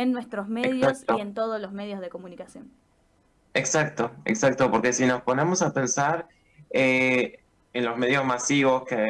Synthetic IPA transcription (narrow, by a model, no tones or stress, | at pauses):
enːwest̪ɾozmeðkjoaks̚t̪oe̞nt̪oð̞ozlozmeð̞jozðekomunikasjon | eksak̚t̪oḛksak̚t̪opoɾke̞sino̞spo̞ne̞mo̞sape̞nsaɾ | e | enlo̞zme̞ðjo̞zmasiβo̞ske